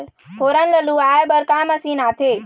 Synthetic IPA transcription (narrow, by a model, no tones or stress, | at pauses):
hʰoɾənləluaebəɾkaməsinat̪ʰe